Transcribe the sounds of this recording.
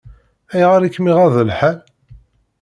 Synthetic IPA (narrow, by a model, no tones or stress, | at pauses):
æjʁaɾikmiʁæðəlħal